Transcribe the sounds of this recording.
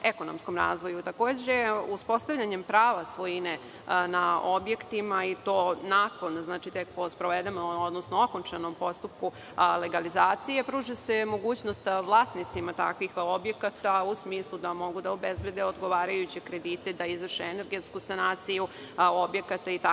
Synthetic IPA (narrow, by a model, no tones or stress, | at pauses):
eko̞nomsko̞mɾa̰ːzʋo̞jut̪ako̞ːd͡ʑeuspo̞st̪aʋʎʲaɲe̞mpɾaːʋasʋo̞jine | naobje̞kt̪imait̪o̞ːnaːko̞nznaːt͡ʃit̪ek̚po̞spɾoʋed̪emood̪nosnooko̞nt͡ʃano̞mpo̞st̪up̚ku | le̞ɡalizaːt̪sije̞pɾuːʒese̞mo̞ɡuːt͡ɕnost̪ʋlˠaːst̪nit̪simat̪a̰kʋixobje̞kat̪ausmiːslˠud̪amo̞ɡud̪aobezbje̞d̪eo̞d̪ɡo̞ʋaːɾajut͡ɕekɾe̞d̪it̪ed̪aizʋrʃeene̞ɾɡe̞t̪skusanaːt̪siju | obje̞kat̪ait̪a